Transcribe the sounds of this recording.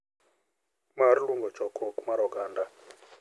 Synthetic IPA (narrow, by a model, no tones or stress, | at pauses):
maɾiluŋɡɔ̥t͡ʃɔkʰɔkʼumaɾɔɡaːnda